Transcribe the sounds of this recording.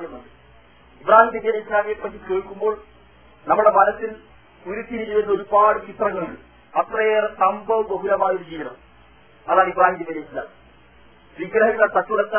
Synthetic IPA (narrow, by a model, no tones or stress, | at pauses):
jɐmɐɳɖɨ | ibraːhimpɐd̪ijɐnɐislaːmijɐpːɐtːikeːɭkːumbo̞ːɭ | nɐmːuɽemɐnɐsːil | uɾut̪ʰːiɾiɾuʋɐnd̪oɾubaːɽɨt͡ɕit̪rɐŋːɐɭiɭ | ɐt̪rɐjeːrsɐmbɐʋɨɡoɦuɾɐmaːjoɽut͡ɕiːrɐ̰ | ɐðaːɭibraːhiːmjipɐɾeilːɐ | sʋiɡɾɐhikːɐɭt̪ɐtːuɽɐkːa